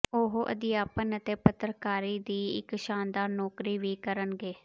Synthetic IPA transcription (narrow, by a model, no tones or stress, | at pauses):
oɦʔə̰d̪ɪjaːpənət̪eːpət̪ɾkaːɾiːd̪iːɪ̰kʃaːnd̪aːɾnɔːkɾiːʋiːkəɾənɡeː